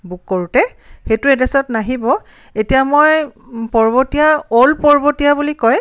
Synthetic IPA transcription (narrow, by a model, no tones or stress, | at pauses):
bukːoɹutɛxetuɛdɛsɔtnaɦibɔ | etijamojpɔɹbotijaolpɔɹbotijabulikɔj